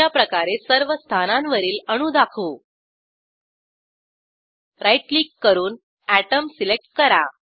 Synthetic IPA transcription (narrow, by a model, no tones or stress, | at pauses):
apɾəkaɾesəɾʋəst̪ʰananʋəɾiːləɽ̃uːd̪akʰo | ɾajʈliːkːəɾuːn | æʈəmsilek̚ʈ̚kəɾa̰